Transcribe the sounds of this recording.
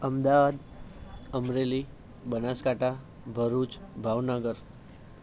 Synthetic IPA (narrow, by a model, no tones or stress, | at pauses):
əmd̪aʋad̪ | əmɾeli | bənaskaʈʰa | bʱəɾut͡ʃbʱaʋnəɡəɾ